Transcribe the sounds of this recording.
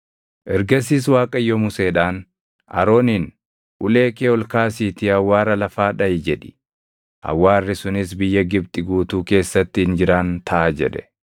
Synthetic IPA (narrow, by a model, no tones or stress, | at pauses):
ʔɛɾɡɐs̬iːs̬waːkʼɐjːɔmʊseːᶑaːn | ɐ̰ɾo̞ːnin | ʔʊle̞ːkeːɔlkaːsiːt̪ɪɐwːaːɾɐlɐfaːᶑɐjɪd͡ʒɛᶑɪ̥ | ʔɐ̰wːaːrːɪsʊnɪsbɪjːɐɡɪb̚t̪ʼɪɡuːt̪uːke̞ːsːɐt̪ːɪhɪnd͡ʒɪɾaːnt̪ʰɐʔaːd͡ʒɛ̰ᶑɛ̥